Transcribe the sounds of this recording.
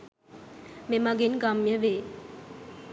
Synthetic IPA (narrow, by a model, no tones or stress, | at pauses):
memɐɡenɡamjɐʋeː